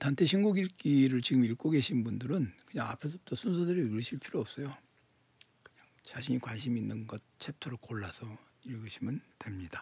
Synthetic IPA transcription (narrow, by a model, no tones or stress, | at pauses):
tantʰe̞ɕʰinɡuɡiɭk͈iɾɯɭt͡ɕiɡɯmiɭk͈oɡe̞ɕʰinbundɯɾɯnkɯɲaŋapʰe̞sʰot͈osʰunsʰodɯɾiɡɯɕʰiɭpʰiɾoʌp̚s͈ʌjo | kɯɲaŋt͡ɕaɕʰiɲikwanɕʰiminːɯnɡʌt̚t͡ɕʰep̚tʰoɾokoɭːasʰʌ | iɭɡɯɕʰimɯntwe̞mɲid̥a